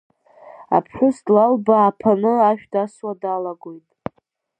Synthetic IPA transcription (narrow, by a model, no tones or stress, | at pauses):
a̰pʰħʷᶣʊsd̥lalbaːpʰanɨaʃᶣdaswadalaɡojtʼ